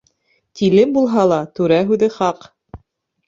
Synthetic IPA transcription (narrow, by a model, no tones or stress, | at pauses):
t̪ilɘmbulˠɦɑlˠɑt̪ʉɾæɦʉðɘχɑq